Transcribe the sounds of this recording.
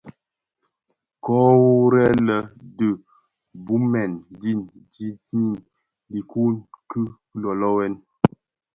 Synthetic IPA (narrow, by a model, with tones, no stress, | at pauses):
kɔ˦wu˦ɾɛ˦lə˨də˨ | bu˦mɛ˨ndi˦˨n | d͡ʒi˦i˦˨n | li˨ku˦nkɨ˦ | lɔ˨lɔ˦wɛ˦n